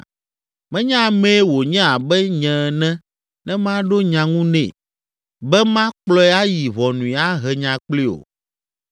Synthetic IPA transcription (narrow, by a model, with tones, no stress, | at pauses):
mɛ̃˦ɲã˦˨mɛ̃˦wo˨ɲɛ̃˦a˨bɛ˦ɲɛ̃˨nɛ̃˦ | nɛ̃˦mã˦ɖo˦ɲã˨ŋũ˦nɛ̰̃˨ | bɛ˦mã˦k͡plɔ˦ɛ˦a˦ji˨βɔ˨nũ˨i˨a˦ɦɛ˨ɲã˨k͡pli˦o̰˨